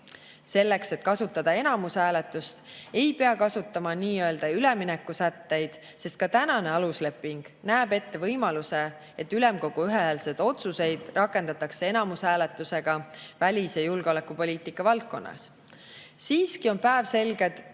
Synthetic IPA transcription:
se̞lːe̞kse̞t̪kɑsut̪ːˑɑd̪̥ɑe̞nɑmushæːle̞t̪ːˑust̪e̞jpe̞ɑkɑsut̪ːˑɑmɑniːø̞ld̪̥ɑylɛ̞minekːˑusæt̪ːe̞jd̪̥ | se̞st̪̚kɑt̪ænɑne̞ɑlusle̞pːˑiŋɡ̥næːb̥e̞t̪ːe̞vɤjmɑluse̞ | et̪ːˑylɛ̞mko̞ɡ̥uyɦehælse̞d̪̥o̞t̪suse̞jd̪̥rʔɑkˑːe̞nd̪ɑt̪ːˑɑkse̞e̞nɑmushæːle̞t̪ːˑuse̞ɡ̥ɑvælʲisjejulɡ̥eo̞lekːˑupo̞lʲiːt̪ikːˑɑvɑlt̪̚ko̞̰nːʔɑ̰s | siːskio̞npæevse̞lɡe̞d̪̥

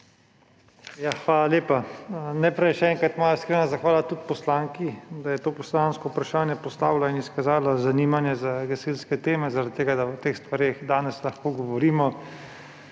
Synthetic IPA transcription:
jaxʋaːlaleːpanɛpɾɛjʃɛɛŋkat̪maːlaskɾenazaxʋaːlat̪ut̪̚pɔslaŋkid̪ajɛt̪oːpɔslanskɔupɾaʃaːnjɛpɔst̪a̰ːʋwlainiskazaːlazaniːmanjɛzaɡɛselskɛt̪eːmɛzaɾad̪̚t̪ːeːɡad̪awt̪eːxst̪ʋaɾeːxd̪aːnɛslɐxkoːɡɔʋɔɾiːmɔ

